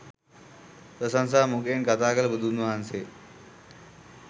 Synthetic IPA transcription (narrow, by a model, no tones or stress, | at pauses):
t̪əsãnsamukenkat̪akəlbud̪ʱunəãnse